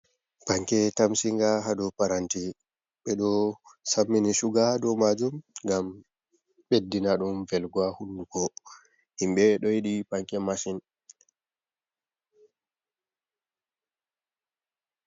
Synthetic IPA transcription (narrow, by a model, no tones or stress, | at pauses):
paŋkɛtamsiŋɡaɦadɔpaɾanti | ɓɛɗɔsamːiniʃuɡadɔmad͡ʒumŋɡam | ɓedːinaɗumvɛlɡwahunduɡɔ | imɓɛɗɔjiɗipaŋkɛmasin